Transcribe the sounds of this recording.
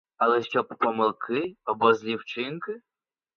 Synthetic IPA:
ɐlˠɛʃt͡ʃɔbpɔmɪlˠkʰɪɔbɔzʲlʲiwt͡ʃɪnkɪ

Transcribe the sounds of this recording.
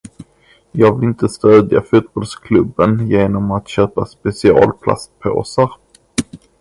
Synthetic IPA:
jɑːɡvɪlɪnt̪əst̪øːd̪ja̰fʉ̟ːt̪̚bɔlskʰlɵbːənjeːnɔmat̪ɕøːpaspɛsɪɑ̰ːlpʰla̰st̪̚pʰa̰ːsaɾ

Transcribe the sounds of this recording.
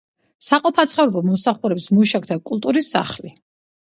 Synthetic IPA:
saqʼɔpʰat̪sʰχɛvɾɔbɔmɔmsaχuɾɛbsmuʃakʰd̪ʰakʼulˠt̪ʼuɾisːa̰χli

